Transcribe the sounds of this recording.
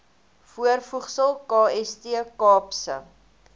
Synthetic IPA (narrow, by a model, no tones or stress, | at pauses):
fuərfuχsəlˠkɑːɛstiəkɑːpsə̰